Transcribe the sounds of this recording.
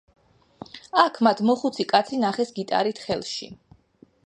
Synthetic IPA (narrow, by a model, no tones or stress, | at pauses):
akʰmat̪ʰmɔχut̪sʰikʼat̪sʰinaχɛsɡit̪ʼa̰ɾit̪ʰχɛlˠʃḭ